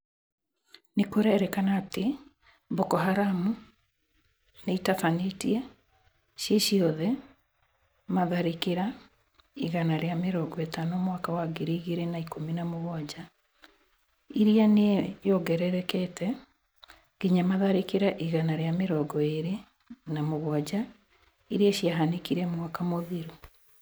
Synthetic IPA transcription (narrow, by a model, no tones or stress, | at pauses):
nekoɾɛɾɛkanaːte | bɔkɔɦaɾamu | neitafanetiɛ | ʃeʃiɔðɛ | maðaɾikeɾa | iɣanaɾeameɾɔɡɔetanomwakawaɡeɾiiɣeɾenaikominamoɣwad͡ʑa | iɾianejɔɡɛɾɛɾɛkɛtɛ | ɡiɲamaðaɾikeɾaʔiɣanaɾeameɾɔɡɔeɾe | namoɣwad͡ʑa | iɾiaʃiaɦanekiɾɛmwakamoðiɾu